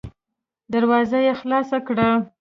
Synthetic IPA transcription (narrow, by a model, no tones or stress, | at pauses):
d̪aɾwɑzajexlɑsakɽa